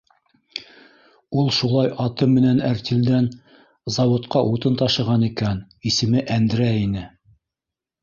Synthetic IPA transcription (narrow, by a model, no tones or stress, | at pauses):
ulˠʃulˠɑjʔɑt̪ɤmɘ̆nænæɾt̪ild̪æn | zɑwŏt̪qɑʔut̪ɤnt̪ɑʃɤ̆ʁɑnikæn | isɘ̆mɘʔænd̪ɘ̆ɾæinɘ